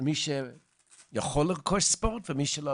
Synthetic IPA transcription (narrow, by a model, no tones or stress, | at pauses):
miʃe | jaχoleʁkʰoʃspoʁt̪vemiʃelo